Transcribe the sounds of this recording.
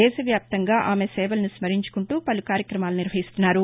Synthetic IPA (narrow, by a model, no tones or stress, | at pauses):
ɛːʃɐʋjaːp̚t̪ɐŋɡaːʔaːmesɛːʋɐlɐnusmɐɾiɲt͡ʃu̥kuɳʈuːpɐlukaːɾjɐkɾɐmaːluniɾʋɐɦist̪unːaːɾu